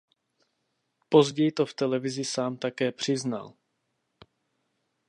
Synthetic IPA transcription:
po̞zɟɛjt̪o̞ft̪ɛlɛvɪzɪsaːmt̪akɛːpr̝̥ɪzna̰l

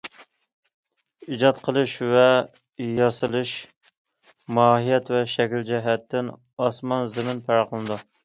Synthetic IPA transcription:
id͡ʒɑt̪qʰəlˠɨʃvɛ | jɑsɨlˠɨʃ | mɑːɦijɛt̪vɛʃɛkʲld͡ʒɛɦɛt̪ːɪn | ɑsmɑnzɪmɪnpʰæɾɑqəlˠnɨd̪u

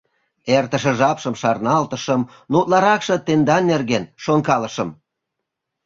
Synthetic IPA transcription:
ert̪ə̆ʃə̆ʒɑpʃəmʃɑrnɑlt̪əʃəm | nut̪lɑɾɑkʃɤ̆t̪end̪ɑnːerɣenʃonkɑləʃə̆m

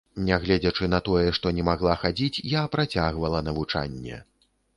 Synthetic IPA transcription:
nʲɛɣlʲɛd͡zʲɐt͡ʂɨnɐt̪ɔjɛʂt̪ɔnʲɛmaɣlˠaxad͡zʲit͡sʲjapɾat͡sʲaɣvɐlˠɐnɐvut͡ʂa̰nʲːɛ̰

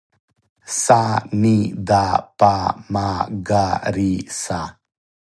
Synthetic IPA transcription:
sanid̪apamaɡaɾisa

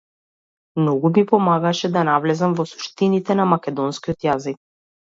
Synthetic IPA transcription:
mnɔɡumipɔmaɡaʃɛd̪anavlɛzamvɔsu̥ʃt̪init̪ɛnamakʲɛd̪ɔnskiɔt̪jazik̚

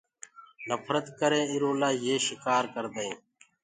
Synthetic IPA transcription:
nəfʰɾət̪kəɾẽːɪɾõːlaːjeːʃɪkaːɾkəɾd̪əẽː

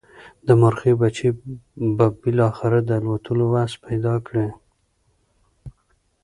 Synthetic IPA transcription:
d̪əmʊɾxebat͡ʃebabɪlɑxɪɾad̪əalwat̪ʰəlowaspajd̪ɑkɽe

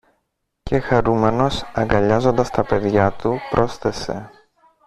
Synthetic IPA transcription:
ce̞xɐɾume̞no̞sɐŋɡɐʎɐzo̞nd̪ɐst̪ɐpe̞ðʝɐt̪upɾʔo̞sθe̞se̞̰

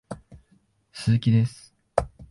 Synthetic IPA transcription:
sɨzɨkʲid̪esɨ̥

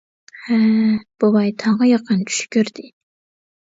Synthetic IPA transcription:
hæb̥ubɑjt̪ʰɑʁɑjɑqʰənt͡ʃ̪ʰy̥ʃkʲøɾd̪ɪ

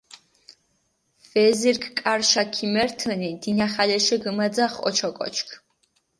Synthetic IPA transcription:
vɛziɾkʰʼkʼaɾʃakʰimɛɾt̪ʰənid̪̥inaχalɛʃɛɡəmad̪zaχɔ̰t͡ʃʰɔkʼɔ̰t͡ʃʰkʰ

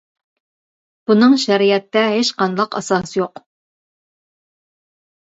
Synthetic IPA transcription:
b̥unɨŋʃɛɾijɛt̪ːɛɦeʃqɑnlˠɑqɑ̰sɑsjoq

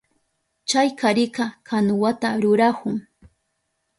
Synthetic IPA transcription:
t͡ʃajkʰaɾɪkɑkʰanʊwat̪aɾʊɾahʊŋ

